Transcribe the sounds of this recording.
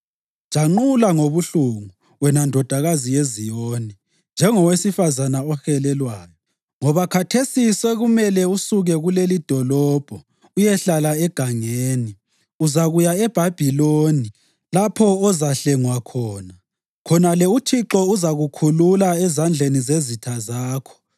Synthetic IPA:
ʒ̥ʱʼaŋ͡ǃulaŋoβuɬuŋu | wɛnandʱɔd̥ʱaɣazijezijoːni | nd͡ʒʱɛŋɔwesifazanaɔxɛlɛlwaːjɔ | ŋɔβakʰatʰesisɛɣumɛlɛusuɣɛɣulelid̥ʱɔlɔːb̥ʱɔ | ujɛɬalaɛɡ̥ʱaŋeːni | uzaɣujaɛb̥ʱab̥ʱiloni | lapʰɔɔzaɬɛŋwakʰɔːna | kʰɔnalɛut͡ʃʰiǁɔuzaɣukʰululaɛzand͡ɮʱenizezitʰazaːkʰɔ̥

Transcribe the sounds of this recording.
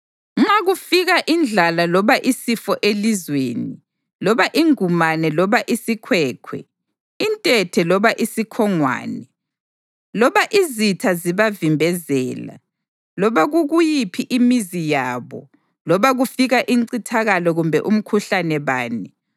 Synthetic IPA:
ŋ͡ǁaɣufiɣaʔind͡ɮʱalalɔβaʔisifɔʔelizweːni | lɔβaʔiŋumanɛlɔβaʔisikʰwɛːkʰwɛ̰ | intʼɛtʰɛlɔβaʔisikʰɔŋwa̰ːnɛ | lɔβaʔizitʰaziβavimbʱɛzɛːla̰ | lɔβaɣuɣujipʰiʔimizijaːβɔ̰ | lɔβaɣufiɣaʔiǀitʰaɣalɔɣumbʱɛ̰ʔum̩kʰuɬanɛβa̰ːnɛ

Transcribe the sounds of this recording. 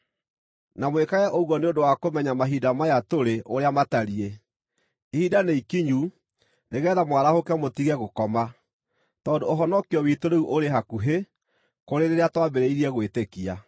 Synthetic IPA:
namwekaɣɛʔoɣwɔneondowakomɛɲamaɦidamajatoɾeʔoɾeamataɾie | ihidaneikiɲu | neɣɛːðamwaɾahokɛmotiɣɛɣokɔma | tɔndooɦɔnɔkiɔwitoɾeuʔoɾeɦakuɦe | koɾeɾeɾeatwabeɾeiɾiɛɣwetekia

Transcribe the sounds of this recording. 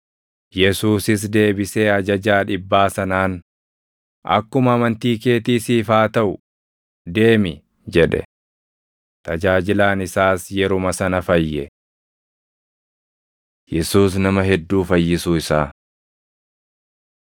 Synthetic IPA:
jɛsuːsɪs̬d̪e̞ːbɪseːɐd͡ʒɐd͡ʒaːᶑɪbːaːsɐnaːn | ɐ̰kːʊmɐːmɐnt̪iːke̞ːt̪iːsiːfaːt̪ɐʔʊ | d̪e̞ːmɪ | d͡ʒɛᶑɛ̰ | t̪ʰʼɐd͡ʒaːd͡ʒɪlaːnɪsaːsjɛɾʊmɐsɐnɐfɐjːɛ | jɛsuːs̬nɐmɐɦɛd̪ːuːfɐjːɪsuːɪsaː

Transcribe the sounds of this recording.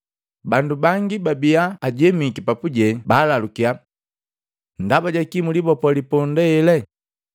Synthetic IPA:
bandubaŋɡibabiaːɟɛmikipapuɟɛbaːlalukia | n̩dabaɟakimulibɔpɔlipɔndɛɛlɛ

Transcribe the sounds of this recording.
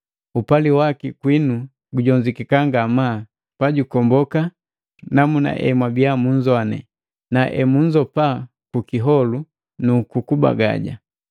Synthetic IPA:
upaliwakikwinu | ɡuɟɔɲd͡ʒikikaŋɡamaː | paɟukɔmbɔka | namuna̰ʔɛ̰mwabijamuɲd͡ʒɔanɛ̰ | naʔɛmuɲd͡ʒɔpa | kukiɦɔlu | nukukuba̰ɡa̰ɟa̰

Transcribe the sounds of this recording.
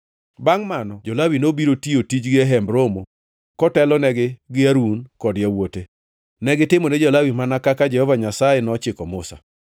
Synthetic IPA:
baŋmanɔd͡ʒolawinobiɾotiotid͡ʒɡɪaɦɛmbɾomo | kɔtɛlɔnɛɡɪɡɪaɾunkɔdɪjawote | nɛɡɪtɪmoned͡ʒɔlawimanakakad͡ʒɛhɔvaɲasaenɔt͡ʃɪkɔmʊsa̰

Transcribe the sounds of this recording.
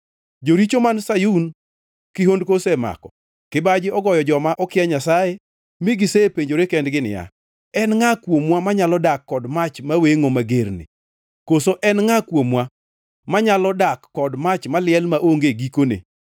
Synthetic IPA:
d͡ʒoɾit͡ʃomansajun | kɪɦondkosɛma̰kɔ̰ | kɪbad͡ʒɪɔɡɔjɔd͡ʒɔmaʔɔkɪɛɲasaje | mɪɡɪsepeɲd͡ʒoɾekɛndɡɪnɪ̰ja̰ | ɛnŋakwomwamaɲalɔdakːɔdmat͡ʃmaweŋomaɡeɾnɪ̰ | kosoʔɛnŋakwomwa | maɲalɔdakːɔdmat͡ʃmalɪɛlmaʔoŋɡeɡikonḛ

